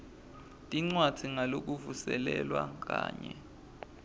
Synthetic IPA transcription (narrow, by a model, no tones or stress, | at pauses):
tʼiŋ͡ǀwḁd̥ʰʱiŋalok̬uvusɛlɛlwak̬aːɲɛ